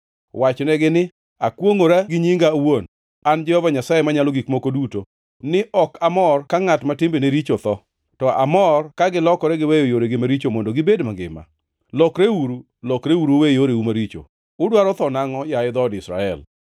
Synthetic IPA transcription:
wat͡ʃnɛɡɪnɪ | akwoŋoɾaɡɪɲiŋɡawon | and͡ʒɛhɔvaɲasajɛmaɲalɔɡikmokoduto | nɪʔɔkamɔrkaŋatmatɪmbeneɾit͡ʃot̪ɔ | tɔa̰mɔrkaɡɪlɔkɔɾɛɡɪwejojoɾeɡɪmaɾit͡ʃomondoɡɪbedmaɡɪ̰ma̰ | lɔkɾewuɾu | lɔkɾeuɾowejoɾeumaɾit͡ʃo̰ | ʊdwaɾɔt̪ɔnaŋɔjaɪd̪ɔdɪsɾa̰ɛ̰l

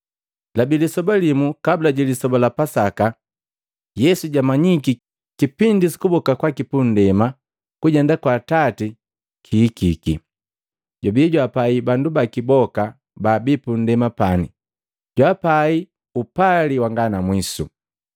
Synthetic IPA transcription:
labilisɔbalimukabulaɟilisɔbalapasaka | jɛsuɟamaɲiki | kipindisi̥kubɔkakwakipun̩dɛma | kuɟɛndakwaːtati | kʰiːkikḭ | ɟɔbiɟwapaibandubakibɔka | baːbipun̩dɛmapanḭ | ɟwapai | upaliwaŋɡanamwisṵ

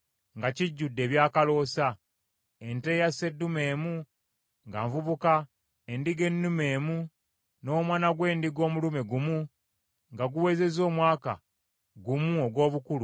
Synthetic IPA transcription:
ŋɡaciɟːudːe̞ːβjaːkalo̞ːsa | e̞nte̞ːjase̞dːume̞ːmu | ŋɡa̰ɱvuβuka | endiɡe̞nːume̞ːmu | no̞ːmwaːnaɡwe̞ːndiɡo̞ːmulume̞ɡumu | ŋɡaɡuwe̞ze̞zo̞ːmwaːka̰ | ɡumuoɡwo̞ːβukulu

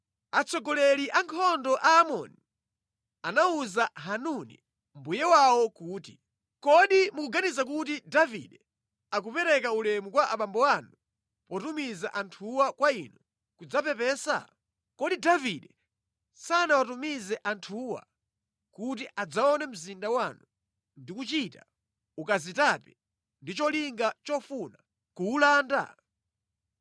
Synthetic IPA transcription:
at͡sʰɔɡɔlɛɾiʔaŋkʰɔndɔʔaːmɔ̰ni | anauzaɦanunḭ | mbujɛwawɔkuːtḭ | kɔɗimukuɡanizak̬utidavḭɗɛ | ak̬upɛɾɛkaulɛmukwaʔaɓambɔwanu | pɔtumizaʔantʰuwakwainɔ | kud͡zapɛpɛːsa̰ | kɔɗidaviɗɛ | sanawatumizɛʔantʰuːwa̰ | kut̬iʔad͡zaɔnɛm̩zindawanu | ndikut͡ʃita | ukazitapɛ | ndit͡ʃɔliŋɡat͡ʃɔfuna | kuːlaːnda̰

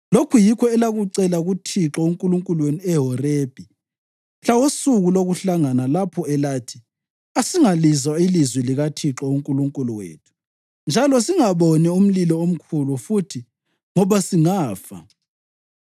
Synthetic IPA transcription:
lokʰujikʰɔɛlaɣuǀɛlaɣutʰiǁɔuŋkʼuluŋkʼulweniɛɦɔreb̥ʱi | ɬawosuɣuloɣuɬaŋanalapʰɔɛlaːtʰi̥ | asiŋalizwailizwiliɣatʰiǁɔuŋkʼuluŋkʼuluwḛːtʰu̥ | nd͡ʒʱalɔsiŋaβonium̩lilɔom̩kʰulufutʰi | ŋɔβasiŋaːfa̰

